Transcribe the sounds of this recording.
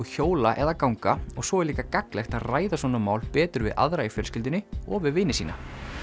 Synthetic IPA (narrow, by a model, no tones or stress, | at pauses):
çoːwlaʔɛðakawŋkaɔɣsɔɛɾliːkakaklɛxt̪aðraːjðas̬vɔːnːamaːwlpɛːt̪ʏɾvɪ̰ðʔa̰ðɾaifjɛɾ̥scɪlt̪ɪnɪɔ̰vɪðvɪːnːɪsiːna